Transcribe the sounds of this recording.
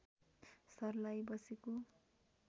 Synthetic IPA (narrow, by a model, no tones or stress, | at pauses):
sʌrlajbʌseko